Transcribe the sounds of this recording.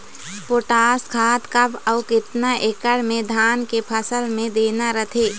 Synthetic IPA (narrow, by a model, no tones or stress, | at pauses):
poʈaːskʰaːt̪kapɔːkɪt̪naʔekəɽmẽd̪ʱaːnkepʰəsəlmẽd̪eːnaɾət̪ʰeː